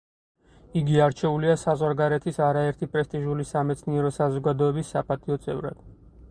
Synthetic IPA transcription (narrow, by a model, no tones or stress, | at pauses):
iɡiaɾt͡ʃʰɛuliasazʁwaɾɡaɾɛt̪ʰisaɾaɛɾt̪ʰipʼɾɛst̪ʼiʒulisamɛt̪sʰniɛɾɔsazɔɡad̪ɔɛbisːapʰʼat̪ʰiɔt̪sʼɛ̰vɾa̰d̪̥